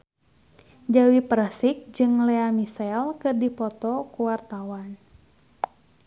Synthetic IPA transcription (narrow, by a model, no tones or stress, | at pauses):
d͡ʒawipɾasik̚d͡ʒɨŋlɛamisɛlkɨrdipɔt̪ɔkuwart̪awan